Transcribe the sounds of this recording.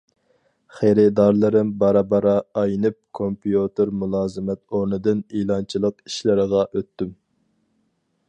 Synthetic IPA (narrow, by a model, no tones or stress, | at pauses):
χeɾɪd̪ɑɾlˠɨɾɪmbɑɾɑbɑɾɑːjnɨp̚kʰompijut̪ɪɾmulˠɑːzɨmɛt̪oɾnɨd̪ɨnilˠɑnt͡ʃʰilˠəqi̥ʃlɪɾəʁɑʔøt̪ːym